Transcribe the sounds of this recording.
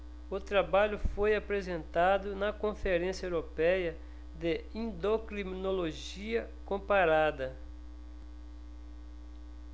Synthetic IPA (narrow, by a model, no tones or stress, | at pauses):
ʊt̪ɾabaʎʊfojapɾezẽnt̪ad̪ʊnɐkõfeɾẽsjɐewɾopɛjɐ | d̪eĩnd̪okɾimĩnoloʒ | iɐ | kõmpaɾad̪ɐ